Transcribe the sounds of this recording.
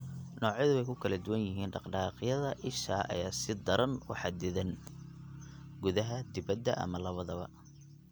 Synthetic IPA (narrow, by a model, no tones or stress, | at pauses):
nɔːʕjɐðʊɛjkʰʊkʰɐlɐd̪ʊwɐnjɪɦiːnɖɑqɖɑːqjɐðɐʔɪʃaːʔɐ̰jaːsɪd̪ɐɾɐnwɑ̰ħɑd̪ɪðɐn | ɡʊðɐɦɐd̪ɪβɐd̪ɐʔɐ̰mɐlɐβɐðɐβɐ̰